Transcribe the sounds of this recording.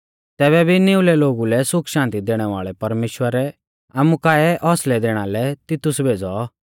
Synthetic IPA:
t̪ɛːβɛbʱineːʊlɛloːɡulɛsʊkʰʃãːnt̪id̪eːɽ̃ɛʋa̰ːɭɛpɐɾmeːʃwəɾɛ | aːmukaːɛʔɔslɛd̪eːɽ̃alɛt̪ɪt̪ʊsbʱeːd͡zɔ

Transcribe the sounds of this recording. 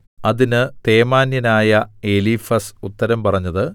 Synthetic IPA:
ɐðinɨt̪e̞ːmaːnjɐnaːjɐeliːfɐsut̪ːɐɾɐmpɐrɐɲːɐðɨ

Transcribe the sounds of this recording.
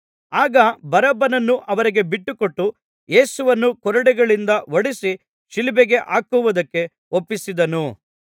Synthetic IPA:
aːɡɐbɐɾɐbɐnɐnːuʔɐʋɐɾiɡe̞biʈːukoʈːu | je̞ːsuʋɐnːukɔɾɐɽɛɡɐɭind̪ɐʋɐɽisi | ʃilibeɡe̞ʔaːkuʋud̪ɐkːe̞ | opːisid̪ɐnu

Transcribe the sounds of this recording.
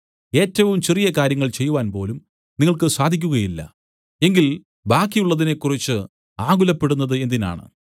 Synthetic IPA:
e̞ːtːɐʋumt͡ɕerijɐkaːɾjɐŋːɐɭt͡ɕe̞jːuʋaːnpo̞ːlum | niŋːɐɭkɨsaːd̪ʱik̬ʲːuɣɐjilːɐ̰ | e̞ŋɡil | baːkːijuɭːɐðine̞kːurit͡ɕːɨ | aːɡulɐpːe̞ɽunːɐðɨe̞nd̪ina̰ːɳɨ̰

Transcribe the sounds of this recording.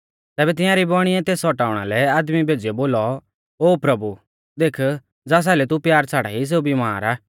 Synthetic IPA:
t̪ɛːbɛt̪ɪ̃jãɾibɔːɽ̃ɪɛt̪eːsɔʈaːʊɽ̃a̰lɛaːd̪mibʱeːd͡zɪjɔboːlɔ | oːpɾɐbu | d̪eːkʰ | d͡zaːs̬aːlɛt̪upjaːɾt͡sʰaːɽa̰ɦis̬eːubimaːɾaː

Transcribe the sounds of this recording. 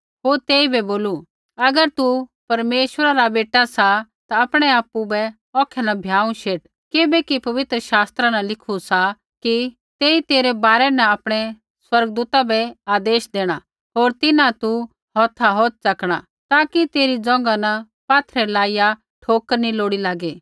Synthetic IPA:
ɦoːɾt̪eːibɛboːlu | ɐɡəɾt̪upɐɾmeːʃwəɾaɾabeːʈasat̪aɐpɽ̃ɛaːpubɛ | ɔːkʰɛnɐbʱjaːũʃeːʈ | kɪbɛkipɐʋɪt̪ɾəʃaːst̪ɾanɐlɪkʰusa | ki | t̪eːit̪eːɾɛbaːɾɛnɐapɽ̃ɛ | swɐɾɡd̪uːt̪abɛaːd̪eːʃd̪eːɽ̃a | ɦoːɾt̪ɪnãt̪u | ɦɔːt̪ʰaɦoːt̪̚sɐkɽ̃a̰ | t̪aːkit̪eːɾid͡zɔ̃ːŋ̆ɡanɐ | paːt̪ʰɾɛlaːɪja | ʈʰoːkəniloːɽilaːɡeː

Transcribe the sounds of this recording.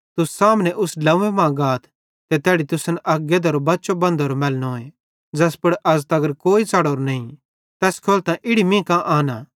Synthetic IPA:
t̪ʊssaːmnɛʔʊslɐ̃ẽmãɡaːt̪ʰ | t̪ɛt̪ɛːɽit̪ʊsɐnʔɐɡed̪ɐɾobɐːʃobɐ̃nd̪ʱoːɾomɛːlnoe | d͡ʒɛːspʊɽʔɐzt̪ɐɡəɾkoːit͡sɐɽoːɾnɐĩ | t̪ɛːskʰoːlt̪ãʔɪɽimĩːkãʔaːnaː

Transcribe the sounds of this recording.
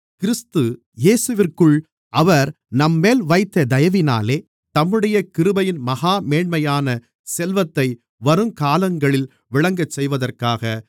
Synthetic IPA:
kɪɾɪst̪ɯ | jeːsɯʋɪrkɯɭ | ʔɐʋɐɾ | nɐmːeːlʋɐɪt̪ːɐd̪ɐjɐʋɪna̰ːleː | t̪ɐmːɯɽɐjɐkɪɾɯbɐjɪnmɐɣaːmeːɳmɐjaːnɐ | sɛlʋɐt̪ːɐɪ | ʋɐɾɯmkaːlɐŋɡɐɭɪl | ʋɪɭɐŋɡɐt͡ʃːɛjʋɐðɐrkaːɣɐ

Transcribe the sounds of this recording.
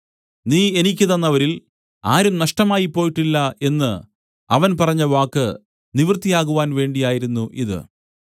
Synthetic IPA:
niːe̞nik̬ʲːɨðɐnːɐʋɐɾil | a̰ːɾumnɐʂʈɐmaːjipːo̞ːjiʈːilːɐe̞nːɨ | ɐʋɐnpɐrɐɲːɐʋaːkːɨ | niʋrɨt̪ːijaːɣuʋaːnʋe̞ːɳɖijaːjiɾunːuʔiðɨ̰

